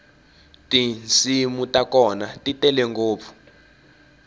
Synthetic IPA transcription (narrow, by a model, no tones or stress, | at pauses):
tʼinsimutakɔnatʼitʼɛlɛŋɡoːp̪fu̥